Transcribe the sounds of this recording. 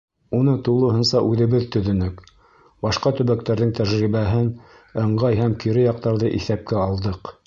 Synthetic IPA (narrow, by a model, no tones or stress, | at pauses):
unɤt̪ulˠɤ̆ɦɤ̆nsɑʔʉðɘ̆βɘðt̪ɵ̆ðɵ̆nɵk | bɑʃqɑt̪ɵ̆βæk̚t̪æɾðɘŋt̪æʒɾiβæɦɘn | ɤ̆ɴɢɑjɦæmkiɾɘjɑq̚t̪ɑɾðɤʔiθæp̚kæɑlˠd̪ɤq